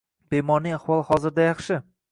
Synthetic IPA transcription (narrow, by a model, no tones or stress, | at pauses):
b̥ejmɒɾnɪŋaχwɒlˠhɒzɪɾd̪ajɑχʃɪ